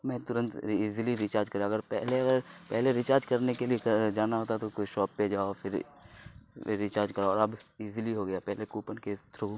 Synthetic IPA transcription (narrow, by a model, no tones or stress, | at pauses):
mɛ̃t̪ʊɾə̃nt̪ːzliɾit͡ʃaːɾd͡ʒkɐɾjaɐɡəɾpɛɦleɐɡəɾpɛɦleɾit͡ʃaːɾd͡ʒkɐɾnekelied͡ʒaːnaɦoːt̪at̪okoʃɔːpːed͡ʒaːoːfʰɪɾ | it͡ʃaːɾd͡ʒkɐɾaɔːɾɐbizliɦoɡɐjapɛɦlekuːpənket̪ɾo